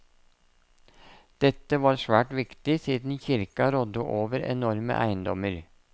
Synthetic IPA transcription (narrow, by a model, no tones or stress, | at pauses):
d̪̥ɛt̪əʋɑːɾsʋæːʈʋɪkt̪ɪsiːd̪n̩çɪɾkɑɾɔd̪ʊʔoːʋəɾɛ̰nɔɾmə̰ʔæ̰ɪnd̪ɔməɾ